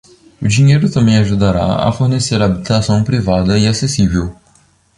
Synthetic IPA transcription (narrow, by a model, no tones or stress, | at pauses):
ʊd͡ʒĩɲejɾʊt̪ɐ̃mẽj̃aʒud̪aɾa̰ɐ̰foɾneseɾɐːbit̪asɐ̃w̃pɾivad̪ɐiasesivew